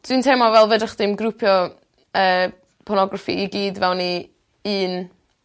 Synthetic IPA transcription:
d̥wintʰɛːmɔvɛlˠvədrəχd̥ɪmɡrupʰjɔ | əː | pʰɔnɔɡrafḭiɡiːdvɛwni | ɨːn

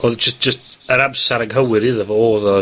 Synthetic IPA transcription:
ɔð̥d͡ʒ̥əstd̥ʒ̥əstəɾabsaɾaɡɦəwɪɾɪðəvɔɔːðɔ

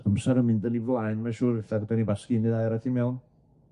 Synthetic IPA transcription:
əmsaɾəmɪndənivlˠajnmaʃuːɾɪθaɡdanibaskinɨðajɾatʰimɛwn

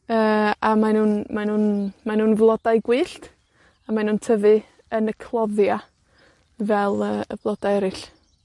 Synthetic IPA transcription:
əːamanuːnmanuːnmanuːnvlˠɔd̥ajɡwɨːɬt | amanuːntʰəvɨ | ənəkʰlˠɔðja | vɛlˠəːə̰vlˠɔd̥ajɛɾɪɬ

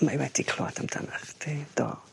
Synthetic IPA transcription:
maiwɛd̥ikʰlo̰adamd̥a̰naχd̥ʰed̥o̰ː

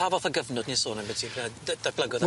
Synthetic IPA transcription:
avɔθəɡəvnɔdnisoːnɛnbɛdibad̥ablˠəɡɔð

